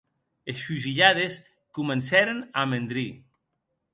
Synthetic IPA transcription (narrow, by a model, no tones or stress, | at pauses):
esfuʒiʎaðes | kumensɛɾenamend̪ɾi